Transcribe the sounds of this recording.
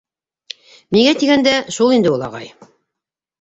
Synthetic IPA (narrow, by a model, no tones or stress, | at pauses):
miɡæt̪iɡænd̪æʃulˠind̪ɘulˠɑ̰ʁɑ̰j